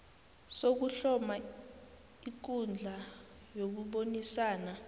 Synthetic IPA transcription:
sok̬uɬɔma | ik̬und͡ɮʱa | jok̬uɓonisaːna

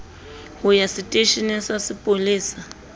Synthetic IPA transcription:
hʊjasɪtʼeʃinɪsasɪpʼolɪːsa

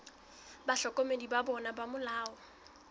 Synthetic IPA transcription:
baɬɔkʼomedibabɔnabamʊlaːɔ

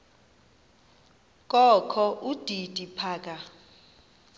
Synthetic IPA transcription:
kʼɔkʰɔʔud̥ʱid̥ʱʼipʰaːkʼa

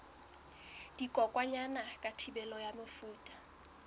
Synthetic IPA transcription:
d̥ikʼɔkʼwaɲanakʼatʰibɛlɔjamɪfuːtʼḁ

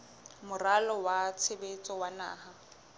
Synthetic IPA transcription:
mʊralɔwat͡sʰebet͡sʼɔwana̰ːha

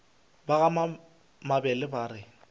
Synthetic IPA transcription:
baɣama | mabɛlɪbaːrɪ

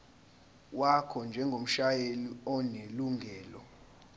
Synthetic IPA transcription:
wakʰɔnd͡ʒʱɛŋɡʱom̩ʃajeliɔneluŋʱɛːlɔ

